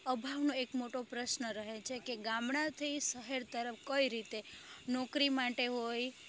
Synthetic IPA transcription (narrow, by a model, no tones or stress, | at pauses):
əbʱaʋnoekmoʈopɾəʃnəɾəɦet͡ʃʰekeɡamɳãt̪ʰəisəɦeɾt̪əɾəfkəiɾit̪enɔkɾimaʈeɦoj